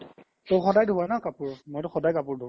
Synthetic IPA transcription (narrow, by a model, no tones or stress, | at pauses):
toxɔdajdʱuwanaʊkapʊɹmojtʊxɔdajkapʊɹdʱu